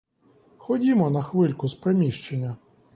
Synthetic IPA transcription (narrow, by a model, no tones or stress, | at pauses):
xɔdʲimɔnɐxʋɪlʲkʊspɾemʲiʃt͡ʃenʲːɐ